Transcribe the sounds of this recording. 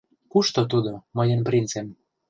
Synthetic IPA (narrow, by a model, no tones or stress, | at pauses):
kuʃt̪ot̪̬ud̪omɤjenprint͡sem